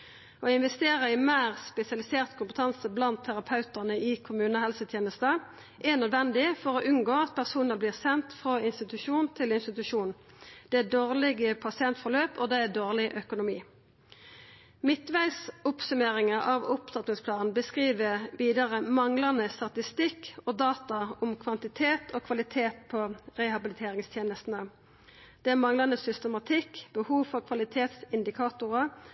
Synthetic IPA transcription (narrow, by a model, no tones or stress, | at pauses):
oːɪnʋɛst̪eːʁəɪmæːʁspɛsɪɑlɪseːʁt̪kʰʊmpət̪ʰɑnsəblɑnt̪ʰːæʁɑpʰɑʉt̪æʁnəʔɪkʰʊmʉːnəhɛlsət̪ʰjeːnəst̪ə | ʔɛnœd̪ʋɛnd̪ɪfɔʁoʔʉnɡoːɑt̪̚pʰæʁsuːnəʁbliːʁsɛnt̪fʁoːɪnst̪ɪt̪ʉʃuːnnt̪ʰɪlɪnst̪ɪt̪ʉʂuːnn̩ | d̪̥ɛæd̪oːʁlɪɡəpʰɑsɪɛnt̪fɔʁløːpɔd̪ɛæd̪oːʁlɪʔœkʊnʊmiː | mɪt̪ʋæɪsʊpsʉmeːʁɪŋəʔɑʋʊpd̪ɑt̪nɪŋspʰlɑːnn̩bəskʁiːʋəʋiːd̪əʁəmɑŋlɑnəst̪ɑt̪ɪst̪ɪkoːd̪ɑːt̪ɑʊmkʰʋɑnt̪ɪt̪ʰeːt̪ʰoːkʰʋɑlɪt̪ʰeːt̪pʰɔʁɛhɑbɪlɪt̪ʰeːʁɪŋst̪ʰjeːnəst̪n̩ə | d̪̥ɛæmɑŋlɑnəsʏst̪əmɑt̪ʰɪkːb̥əhuːfɔʁkʰʋɑlɪt̪ʰeːt̪sɪnd̪ɪkʰɑːt̪ʊʁə